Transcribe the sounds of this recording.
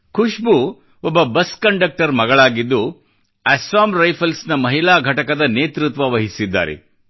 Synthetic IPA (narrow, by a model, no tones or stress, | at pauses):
kʰuʃbu | ɔbːɐbɐskɐɳɖɐk̚ʈɐɾmɐɡɐɭaːɡid̪ːu | æsaːmɾɐjpʰɐlsnɐmɐɦilaːɡʱɐʈɐkɐd̪ɐneːt̪ɾut̪ʋɐʋɐɦisid̪ːa̰ːɾḛ